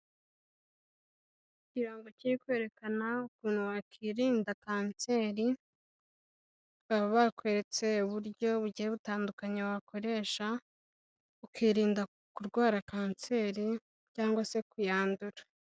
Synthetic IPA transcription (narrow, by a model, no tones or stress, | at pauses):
ciɾaːŋɡociɾikwe̞ːɾe̞kanaukuːn̥huwakiːɾiːndakaːnse̞ːɾi | aβoβakwe̞ɾet͡se̞uβuɾɟo̞βuɟiheβutaːndukaɲewako̞ɾe̞ːʃa | ukiːɾiːnda | kuɾɡwaːɾakaːnse̞ɾi | caːŋɡwase̞kujaːnduɾa